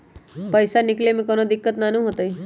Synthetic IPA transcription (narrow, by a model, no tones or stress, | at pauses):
pəjsanɪklemẽkonod̪ɪkːət̪nanũɦot̪əj